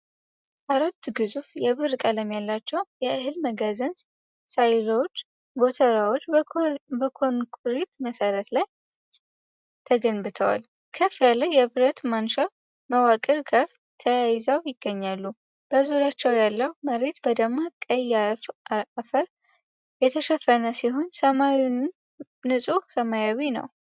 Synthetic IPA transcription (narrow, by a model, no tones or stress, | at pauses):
ʔaɾat̪ːɡɨzufjɛβɨɾkʼaləmjalːat͡ʃːɛwjɛʔɨɦɨlməɡazəns | sajləwot͡ʃː | bo̞t̪ʰəɾawot͡ʃːbəkʰonkʼɾit̪məsəɾət̪laj | t̪ʰəɡənbɨt̪ʰəwa̰l | kʰəfjaləjɛβɨɾət̪manʃa | məwakʼəɾɡaɾ | t̪ʰəjajɪzawjɪɡːəɲːalːu | b̥əzuɾat͡ʃːɛwjalːəwməɾe̞t̪bəd̪əɡmokʼəja | afəɾ | jɛt̪ʰəʃɛfːənəsiɦo̞nsəmawunː | ɨsʼusəmajawinə̰w